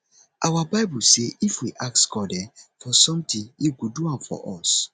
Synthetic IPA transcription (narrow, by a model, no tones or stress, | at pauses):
ʔawabaɪbuseʔifwiʔaksɡ̥ɔdɛfɔsɔ̃mt̪ĩnjiɡuduãmfɔ̰ʔɔs